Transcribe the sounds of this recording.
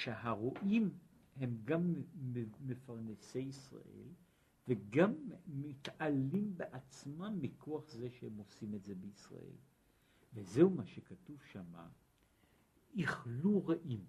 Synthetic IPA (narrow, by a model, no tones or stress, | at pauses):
ʃehaʁoʔim | he̞mɡamː | efaʁne̞sejisʁa̰ʔe̞̰l | veɡamːitalimbeʔat͡smamːikʰoaχze̞ʃehemo̞simetze̞beisʁa̰ʔe̞̰l | veze̞humaʃekatuvʃama̰ | iχluʁaʔim